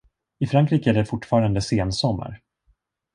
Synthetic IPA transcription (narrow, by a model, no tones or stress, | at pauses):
ɪfɾaŋkɾiːkæɖɛfʊʈːfɑːɾand̪əseːnsɔmːa̰ɾ